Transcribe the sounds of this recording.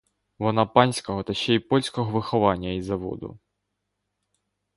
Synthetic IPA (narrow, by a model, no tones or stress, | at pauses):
ʋɔnɑpɑnʲsʲkɔɦɔt̪ɐʃt͡ʃɛipɔlʲsʲkɔɦɔʋɪxɔʋɑnʲːɐizɐʋɔ̰d̪ʊ̰